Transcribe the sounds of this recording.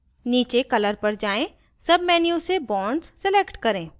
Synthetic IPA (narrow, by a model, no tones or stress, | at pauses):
niːt͡ʃekɐləɾpɐɾd͡ʒaːẽ | sɐbmɛːnijõsebɔ̃ːɳɖssɪleːkʈkɐɾẽː